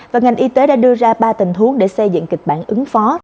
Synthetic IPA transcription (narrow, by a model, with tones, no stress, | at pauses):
vaː˨˩ŋa˨˩jŋ̟ʔi˧t̪e˨˦ɗa̰ː˧˥ɗɨ˧əzaː˧ɓaː˧t̪ï˨˩ŋt̪ʰu˨˦əŋɗe˧˩sə˧jzɨ̰˧˨ŋkï˨˩k̟̚ɓa̰ː˧˩˨nʔɨ˨˦ŋfɔ˨˦